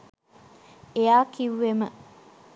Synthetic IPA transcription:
eaːkiʋːemə

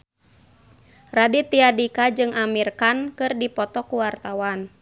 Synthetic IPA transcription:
radit̪iadikad͡ʒɨŋamirkankɨrdipɔt̪ɔkuwart̪awan

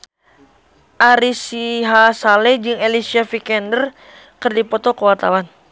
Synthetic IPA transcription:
ʔaɾisiɦasalɛd͡ʒɨŋelisiafikɛndər | kɨrdipɔt̪ɔkəwart̪awan

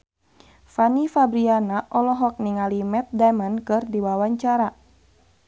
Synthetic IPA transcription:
fanifabɾianaʔɔlɔɦɔk̚niŋalimɛt̪̚damənkɨrdiwawaɲt͡ʃaɾa

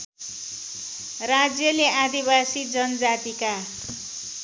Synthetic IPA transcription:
rad͡zjʌleʔad̪ibasid͡zʌnʌd͡zat̪ika

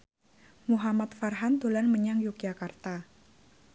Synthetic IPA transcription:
muɦamat̪̚farɦant̪ulanməɲaŋjukjakart̪a

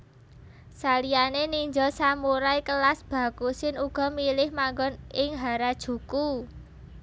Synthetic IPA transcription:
salijaneniɲd͡ʒɔsamuɾajkəlasb̥a̤kusɪnuɡ̥ɔ̤milɪhmaŋɡɔnɪŋɦaɾad̥ʒ̥ṳku

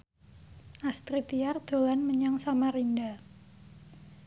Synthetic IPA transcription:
ʔast̪ɾit̪iard̪̥o̤lanməɲaŋsamarinda

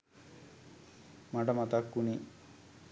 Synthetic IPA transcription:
maʈəmat̪akːuni

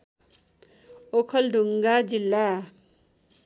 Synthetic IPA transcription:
okʰʌlɖʱuŋɡad͡zilːa

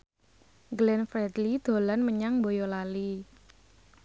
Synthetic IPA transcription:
ɡlɛnfɾɛd̪lid̪̥o̤lanməɲaŋmbojɔlali

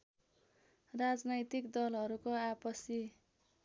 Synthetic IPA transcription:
rad͡znʌjt̪ikd̪ʌlɦʌɾukoapʌsi

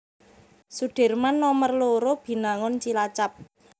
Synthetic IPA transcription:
suɖ̥e̤rmanːɔmərloɾob̥i̤naŋɔnt͡ʃilat͡ʃap̚

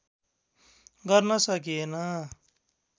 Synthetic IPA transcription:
ɡʌɾnʌsʌkiena

